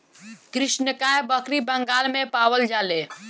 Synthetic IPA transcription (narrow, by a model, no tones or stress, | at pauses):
kɾiʃnəkajbəkɾibəŋɡalmẽpaʋəld͡ʒale